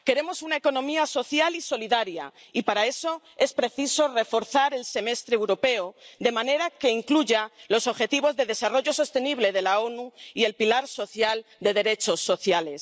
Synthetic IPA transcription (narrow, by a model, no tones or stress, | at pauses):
ke̞ɾe̞mo̞sunae̞ko̞nõ̞miaso̞θjaliso̞liðaɾja̰ | ipaɾae̞so̞ | e̞spɾe̞θiso̞re̞fo̞ɾθaɾe̞lse̞me̞st̪ɾeːwɾo̞pe̞od̪e̞mãne̞ɾake̞iŋkluʝalo̞so̞βxe̞t̪iβ̞o̞zðe̞ð̞e̞saro̞ʝo̞so̞st̪e̞niβle̞ð̞e̞lao̞nuie̞lpilaɾso̞θjald̪e̞ðe̞ɾe̞t͡ʃo̞sːo̞θjale̞s